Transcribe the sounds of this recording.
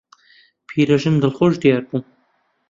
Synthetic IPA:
pʰiːɾɐʒɨnd̪ɨlxoʒd̪ijaːɾbu

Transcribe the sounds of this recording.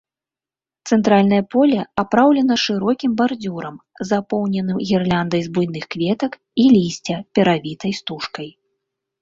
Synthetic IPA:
t̪sɛnt̪ɾalʲnɐjɐpɔlʲɐapɾawlʲɛnɐʂɨɾɔkʲimbard͡zʲuɾɐmzapɔwnʲɛnɨmɣʲirlʲand̪ɐjzbujn̪ɨxkvʲɛt̪ɐk | ilʲisʲt͡sʲɐpʲɛɾavʲit̪ɐjst̪uʂkɐj

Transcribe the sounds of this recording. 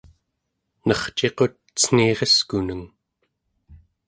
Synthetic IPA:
nʌχt͡ʃe̞qo̞t̪̚t͡sə̥n̥iːʁeskunəŋ

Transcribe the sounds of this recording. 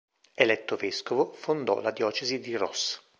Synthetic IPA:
elɛt̪ːoveskovofond̪ɔ̰lad̪jɔːt͡ʃezid̪irɔ̰s

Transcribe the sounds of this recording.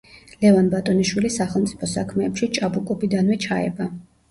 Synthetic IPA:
lɛvanbat̪ʼɔniʃwilisaχɛlˠmt̪sʼi̥pʰɔsa̰kʰmɛːpʃit͡ʃʼabukʼɔbid̪anvɛt͡ʃʰaɛ̰ba

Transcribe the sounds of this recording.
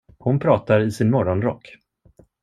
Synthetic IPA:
hʊnpʰɾɑːt̪aɾɪsɪnmɔɾɔnɾɔ̰kː

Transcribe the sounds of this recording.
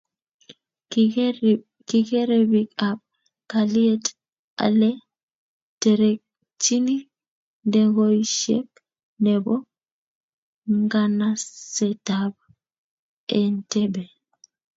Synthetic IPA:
kikɛɾɛbikap̚ | kaliet | a̰lɛ | tɛɾɛk̚ | t͡ʃini | ndɛɡoiʃḛk̚ | nɛbɔ | ŋɡanasɛtab̚ | ɛntɛbe

